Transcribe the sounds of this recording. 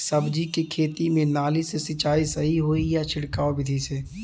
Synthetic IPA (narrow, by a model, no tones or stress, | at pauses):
səbd͡ʒikekʰeːt̪imẽnaːlisesɪt͡ʃaːisəɦiɦoːijat͡ʃʰɪɽkaːobɪd̪ʱise